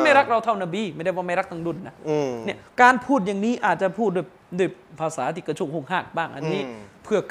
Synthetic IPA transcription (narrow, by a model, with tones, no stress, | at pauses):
ma˥˩jɾa˦˥k̚ɾa˧wt̪ʰa˥˩wnaː˧biː˧˩ma˥˩jda˥˩jwaː˧˩ma˥˩jɾa˦˥k̚t̪ʰa˧ŋdu˧˩˨nːa˦˥˧ni˥˩ɐkaː˧npʰuː˥˩t̪̚ja˨˩ŋniː˦˥ʔaː˨˩t̪̚t͡ɕa˨˩pʰuː˥˩t̪̚doː˧˩j | doː˧˥˩jpʰaː˧saː˩˦t̪ʰiː˧˩ka˧t͡ɕʰu˧˩ŋho˥˩ŋhaː˥˩k̚baː˥˩ŋʔa̰˧nːiː˦˥pʰɯ˥˧˩ɐk